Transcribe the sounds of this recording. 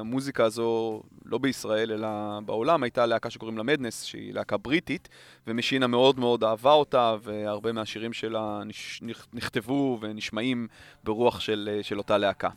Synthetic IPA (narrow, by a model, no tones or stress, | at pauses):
amuzikaːzo̞lʔo̞beisʁae̞le̞labeo̞lamajtaleakaʃeko̞ʁimlamed̪nesʃḛḭleakabʁitit | vemeʃiname̞o̞dmeo̞daːvao̞tave̞aʁbe̞meaʃiʁimʃelanininiχt̪e̞vuve̞niʃmaimbeʁuaχʃelʃelo̞taleaka̰